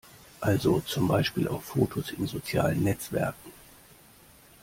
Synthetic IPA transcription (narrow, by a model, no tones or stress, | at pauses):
ʔalzot͡sʊmbaɪʃpiːlʔa̰ʊffoːtʰosɪnzot͡sja̰ːlənːɛt͡sv̥ɛ̰ɐk̚ŋ̩